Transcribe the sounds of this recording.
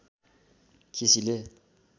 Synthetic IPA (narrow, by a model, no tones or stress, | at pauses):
kʰisile